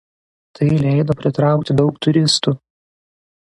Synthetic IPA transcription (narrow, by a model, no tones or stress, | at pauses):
t̪ʰɐɪlʲɛɪd̪oːpʲɾʲɪt̪ɾɑˑʊkt̪ʲɪd̪ɒʊkt̪ʊɾʲɪst̪uː